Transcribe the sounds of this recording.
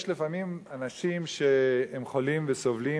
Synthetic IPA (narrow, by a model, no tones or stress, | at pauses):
ʃlefamimanaʃimʃeemχolimvesovli